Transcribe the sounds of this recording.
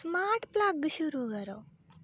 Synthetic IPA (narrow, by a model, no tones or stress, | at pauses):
smaɾʈplaɡʃuɾukəɾo